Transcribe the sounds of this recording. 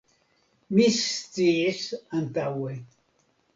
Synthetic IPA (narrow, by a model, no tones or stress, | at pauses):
mist͡sisant̪awe